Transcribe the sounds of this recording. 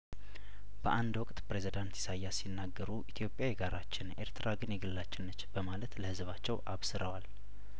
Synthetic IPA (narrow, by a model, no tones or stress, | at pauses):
b̥əʔand̪wɔkʼt̪pɾe̞zid̪ant̪jɛ̥sajːasinːaɡːəɾuʔit̪ʰjo̞pʼjajɛɡaɾʔat͡ʃːɪne̞ɾt̪ʰɾʔaɡɨnjɛɡɨlːat͡ʃːɪnːət͡ʃːb̥əmalət̪ləhɨzβat͡ʃːɛwʔaβsɨɾəwal